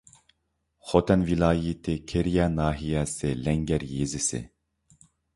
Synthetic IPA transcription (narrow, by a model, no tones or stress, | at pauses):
xot̪ɛnvilaːjit̪ʰekʰeɾijanaːɦijaselɛŋɡɛɾjezisḛ